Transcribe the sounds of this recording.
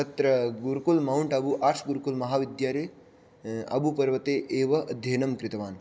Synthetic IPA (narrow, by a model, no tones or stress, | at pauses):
ɐt̪ɾɐɡuɾkulmɐuɳʈɐbuʔaːɾʂɡuɾkulmɐɦaːʋid̪jaːɾeː | ɐ̰bupɐɾʋɐt̪eːʔeːʋɐʔɐd̪ʱjeːnɐmkɾɪt̪ɐʋaːn